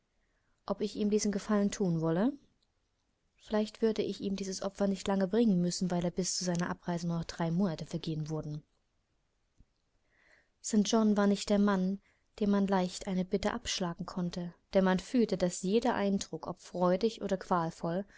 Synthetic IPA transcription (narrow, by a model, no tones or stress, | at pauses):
ʔɔpɪçʔiːmdiːzn̩ɡəfaləntʰuːnvɔlə | fɪlaɪçtv̥ʏɐdəʔɪçiːmdiːzəsʔɔpfɐnɪçtlaŋəbʁɪŋənmʏsn̩vaɪleːɐbɪst͡suzaɪnɐʔapʁ̥aɪzənuːɐnɔχd̥ʁaɪmoːnatəfɛɐɡeːənvʊɐdn̩ | sɛnʒ̥ɔnvaːɐnɪçt̚d̥eːɐman | d̥eːmanlaɪçtʔaɪnəbɪtə̰ʔapʃlaːɡŋ̩kʰɔntʰəd̥eːɐmanfyːltədasjeːdɐʔaɪndʁʊkʰʔɔpfʁ̥ɔʏdɪçʔo̰ːɾɐkv̥aːlfɔl